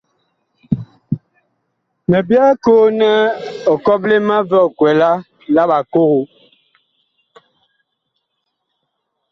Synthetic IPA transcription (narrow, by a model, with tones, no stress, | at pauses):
me˨bja˦ko˦nɛ˦ɔ˨kɔ˦ble˦ma˦vɛ˦ɔ˨kwɛ˨la˦ | la˦ɓa˨ko˦ho˨